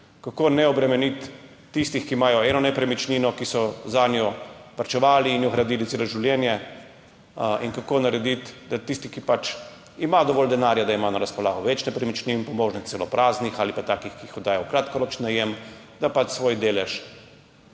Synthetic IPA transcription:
kakonɛɔbɾɛmɛnit̪ː | ist̪ixkimaːjɔɛnɔnɛpɾɛmit͡ʃniːnɔkisɔzaːnjɔʋaɾt͡ʃɛʋaːliːnjɔɣɾad̪iːlit̪seːloʒiwljɛːnjɛ | inkakoːnaɾɛd̪it̪d̪at̪ist̪ikipat͡ʃ | imad̪ɔʋɔːld̪ɛnaːɾjad̪aimaːnaɾaspɔlaːɣɔʋɛt͡ʃnɛpɾɛmit͡ʃninpɔmoʒnisɛlɔpɾʔaːznixalipat̪aːkixkiixɔd̪aːjɔwkɾaːt̪kɔɾɔt͡ʃnajem | d̪apat͡ʃsʋoːjd̪eːlɛʃ

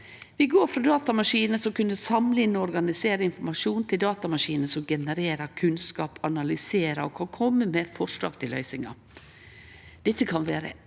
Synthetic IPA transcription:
ʋɪɡoːɾfɾɑd̪ɑːt̪ɑmɑʂiːnəsɔkʉnd̪əsɑmliːnːɔɔɾɡɑnɪseːɾəɪnfɔmɑʂuːnt̪ʰɪld̪ɑːt̪ɑmɑʂiːnəsɔmɡɛnəɾeːɾɑkʰʉnskɑːpɑnɑlʏseːɾɑ̰ɔkʰɑnkʰɔmːəmɛfɔʂɭɑ̰ːɡt̪ʰɪlœʏsɪŋɑ̰ | d̪̥ɛt̪ːəkʰɑnʋæːɾə̰

